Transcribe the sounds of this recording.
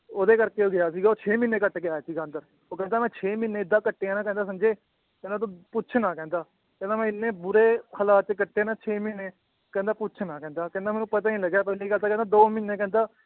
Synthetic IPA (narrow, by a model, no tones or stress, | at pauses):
oːd̪eːkəɾkeːoːɡɪaːsiːɡaːoːt͡ʃʰeːmɪneːkəʈːɡɪaːjaːsiːɡaːənd̪əɾ | oːkɛ̃ːnd̪aːmɛ̃ːt͡ʃʰeːmɪnːeːɪd̪ːãːkəʈːeːãːnãːkɛ̃ːnd̪aːs̬əmd͡ʒeː | kɛ̃nãːt̪õːpʊːt͡ʃʰnãːkɛ̃ːnd̪aː | kɛ̃ːnd̪aːmɛ̃ːɪnːẽːbʊɾeːkʰəlaːt͡ʃkəʈːeːnãːt͡ʃʰeːmɪnːeː | kɛ̃ːnd̪aːpʊːt͡ʃʰnãːkɛ̃ːnd̪aːkɛ̃ːnd̪aːmɛːnũːpət̪aːnĩːləɡjaːpɛːliːɡəlt̪aːkɛ̃ːnd̪aːd̪oːmɪneːkɛ̃ːnd̪aː